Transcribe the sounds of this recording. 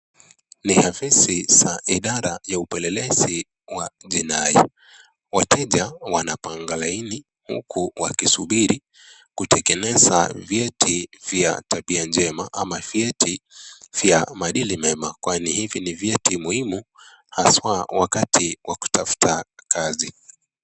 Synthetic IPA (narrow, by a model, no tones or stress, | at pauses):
nihavisisaʔiɗaɾajaupɛlɛlɛzi | waʄinai | watʰɛʄawanapaŋɡalaini | hṵkʰuwakisuɓiɾi | kutʰɛkɛnɛza̰vjɛtʰiv̥ja̰taɓiand͡ʒɛmaʔamavjɛtʰiv̥jamaɗilimɛmakwanihivinivjɛtimuhimu | haswawakatʰiwʔaku̥tafu̥takazi